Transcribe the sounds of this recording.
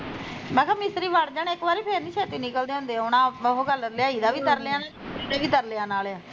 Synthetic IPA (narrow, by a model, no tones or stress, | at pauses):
mãːkʰaːmɪsɾiːʋaɽd͡ʒaːnːɪkʋaːɾiːpʰeːɾnĩːʃɛːt̪iːnɪkəld̪eːɦʊ̃nd̪eːɛʊnãːəɦoːɡəlljaːiːd̪aːʋiːt̪əɾleãːnaːiːd̪aːkiːt̪əɾleãːnaːlaː